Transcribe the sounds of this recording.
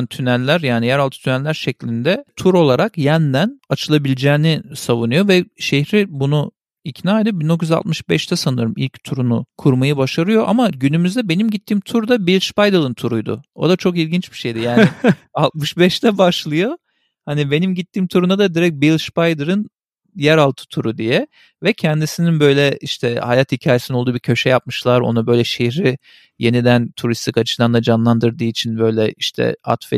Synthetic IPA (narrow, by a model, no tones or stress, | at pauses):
nt̪ʰynælʲːæɾjaːnijæɾalˠt̪ʰɯ̥t̪ʰynɛlːʲæɾʃɛclʲind̪ɛt̪ʰuɾo̞lˠaɾakjænd̪ænat͡ʃʰɯlˠabilʲid͡ʒɛːnɪsavunɯjo̞vɛʃehɾɪbunu | icnaːjd̪ɯbind̪o̞kʰjyza̰lt̪mɯʃbɛʃt̪ʰɛsanɯɾɯmḭlʲct̪ʰuɾunukʰuɾmajɯbaʃaɾɯjo̞ʔamaɟynymyzd̪ɛbe̞nimɟit̪ʰːiːmt̪ʰuɾd̪abilʲˠʃpajd̪ɯlˠɯnt̪ʰuɾujd̪ʊ̰o̞̰d̪at͡ʃʰo̞k̬ilʲɟint͡ʃbi̥ʃejd̪ijaːnɪalˠt̪mɯʃbɛʃt̪ʰɛbaʃlˠɯjo̞ | hanibe̞nimɟit̪ːiːmt̪ʰuɾund̪ad̪ad̪iɾɛc̚bilʲˠʃpajd̪ɯɾɯn | jæɾalˠt̪ʰɯ̥t̪ʰuɾud̪ijɛ | vɛcʰɛnd̪isininbø̞jlʲɛiʃt̪ʰɛha̰jat̪hicʰaːjesinolˠd̪uːbiɾcʰø̞ʃɛjap̚mɯʃlˠaɾo̞̰nabø̞jlʲɛʃehɾi | je̞nid̪ænt̪ʰuɾist̪ʰikat͡ʃʰɯd̪and̪ad͡ʒanlˠand̪ɯɾd̪ɯːit͡ʃʰinbø̞jlʲɛiʃt̪ʰɛ̰a̰t̪fɛ